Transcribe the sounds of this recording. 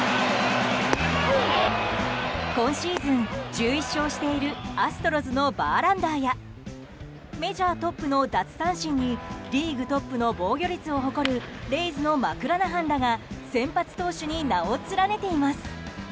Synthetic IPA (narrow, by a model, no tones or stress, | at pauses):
kõ̞ɰ̃ɕiːzɨ̃nd͡ʑɨːiɕːo̞ːɕi̥t̪e̞iɾɯ̟asɨ̥t̪o̞ɾozɨno̞baːɾãnd̪aːja | me̞ʑaːt̪o̞pːɯ̟no̞d̪at͡sɨ̥sãɰ̃ɕĩɲ̟ːiɾʲiːɡɯ̟t̪o̞pːɯno̞bo̞ːɡʲo̞ɾʲit͡sɨo̞ɦo̞ko̞ɾɯ̟ɾe̞izɨno̞makɯ̟ɾanaɦãnɾaɡasẽ̞mpat͡sɨ̥t̪o̞ːɕɨɲ̟inaot͡sɨɾane̞t̪e̞imasɨ̥